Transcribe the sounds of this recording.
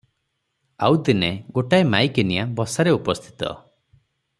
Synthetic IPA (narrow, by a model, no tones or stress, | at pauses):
awt̪ineɡoʈajmajkenijabɔsaɾeupɔst̪ʰi̥t̪ɔ̰